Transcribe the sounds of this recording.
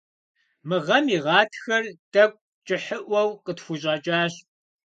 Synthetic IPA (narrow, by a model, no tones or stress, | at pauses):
mɨʁɐmiːʁɑːtʰxɐrd̥ɐk̚ʷʼ | t͡ʃʼɪħəʔʷɐwqətxʷuɕʼɑːt͡ʃʼaːɕ